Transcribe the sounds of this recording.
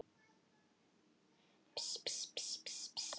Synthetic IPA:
pspspspsps

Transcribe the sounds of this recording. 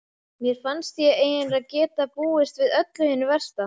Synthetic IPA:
mjɛɾ̥fanst̪jɛeːjɪnɾaðcɛːt̪apuːɪst̪vɪðœt̪lʏhɛnːʏvɛr̥st̪a

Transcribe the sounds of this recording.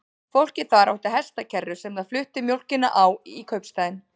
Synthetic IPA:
fowl̥cɪθaɾawht̪ɪɦɛst̪acʰɛrːʏsɛmðaðflʏht̪ɪmjowl̥cɪnːa̰ʔawikʰœɥpst̪ajɪn

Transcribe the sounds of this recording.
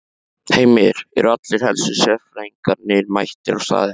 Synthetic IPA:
heːjmɪɾ̥ɛ̰ɾʏat̪lɪɾ̥hɛlsʏsɛfɾaiŋkaɾnɪɾmajht̪ɪɾawst̪a̰ːðɪ

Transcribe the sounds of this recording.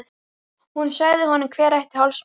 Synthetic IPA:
hunsaːɣðɪɦɔnːʏmkʰvɛːɾajht̪ɪ̥hawls

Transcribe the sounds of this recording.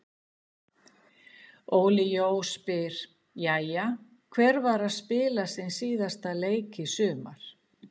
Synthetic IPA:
oːwlɪjoːwspɪɾ̥ | jaja | kʰvɛɾvaɾaðspɪːlasɪnsiːðast̪aleːjcɪsʏːmaɾ̥

